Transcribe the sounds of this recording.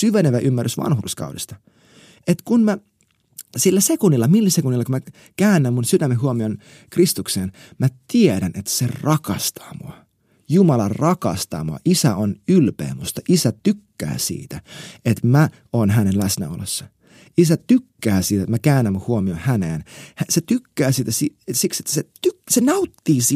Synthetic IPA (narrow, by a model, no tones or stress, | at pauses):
syʋeneʋæʔymːærysʋɑ̰nhurskɑ̰udḭst̪ɑ | et̪kunmæ | silːæsekunːilːɑmilːæsekunːilːɑkumæ | kæːnːæmmunsyt̪æmːeɦuomion | krist̪ukseːn | mæt̪ieɾænet̪serɑkɑ̰st̪ʰɑ̥ːmuɑ | jumɑlɑrɑkɑst̪ɑ̰ːmuɑ̰ʔisæonylpḛːmust̪ɑʔisæt̪ykːæ̰ːsḭːt̪æet̪mæ | onɦænenlæsnæ̰o̰lesːɑ | isæt̪ykːæːsiːt̪æt̪mækæːnːæmːuhuomionhæneːnhæset̪ykːæːsiːt̪æsisikset̪ːset̪ysenɑut̪ːiːsi